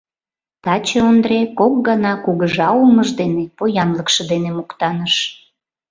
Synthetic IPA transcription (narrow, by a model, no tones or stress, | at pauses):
t̪ɑt͡ɕeond̪ɾekok̚ɡɑnɑkuɣəʒɑuməʒd̪enepojɑnləkʃɤ̆d̪enemukt̪ɑnəʃ